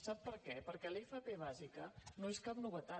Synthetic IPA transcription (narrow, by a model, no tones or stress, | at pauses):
sapːəɾkɛpəɾkɛlefəpeβ̞azikənoeskap̚nuβət̪a